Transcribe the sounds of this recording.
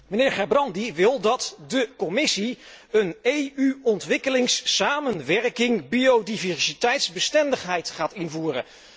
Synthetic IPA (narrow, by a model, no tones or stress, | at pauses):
mənɪːɹχɛɹbrɑndiʋɪlˠdɑtdəkɔmɪsi | ənejyɔntʋɪkəlɪŋsaːmənʋɛɹkɪŋbiowdivɛɹsitɛjtzbəstɛndəχɦɛjtχaːtɪnvuːrə̰n